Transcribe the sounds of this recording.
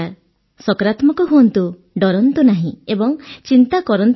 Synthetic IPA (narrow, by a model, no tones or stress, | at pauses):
aɾ | sɔkɔɾat̪mɔkɔɦuɔnt̪u | ɖɔɾɔnt̪unaɦĩebɔŋt͡ʃint̪akɔɾɔnt̪